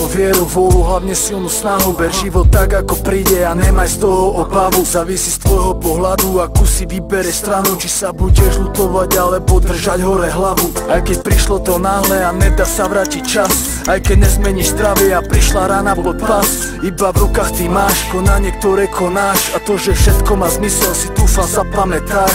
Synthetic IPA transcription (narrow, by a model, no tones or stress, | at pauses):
ɔʋɪɛɾuʋɔluɦlaʊɲɛsilnusnaɦubɛɾʒiʋɔt̪ːaɡakɔpɾiːɟɛaɲɛmajst̪ɔɦɔɔbaʋuzaːʋisist̪ʋɔjɦɔpɔɦlad̪uakusiʋibɛɾɛst̪ɾanut͡ʃisabuɟɛʒlut̪ɔʋaɟalɛbɔd̪r̩ʒaɟɦɔɾɛɦlaʋuajkɛc̚pɾiʃlɔt̪ɔnaːɦlɛanɛd̪aːsaʋɾaːcit͡ʃas | ajkɛɟɲɛzmɛɲiʒzd̪ɾaʋɪɛapɾiʃlaɾaːnapɔt̪pas | ibavɾukaːxt̪imaːʃkɔnaɲɛk̚t̪ɔɾɛkʰɔnaːʃat̪ɔʒɛfʃɛt̪kɔmaːzmisɛlsit̪uːflazapamɛt̪a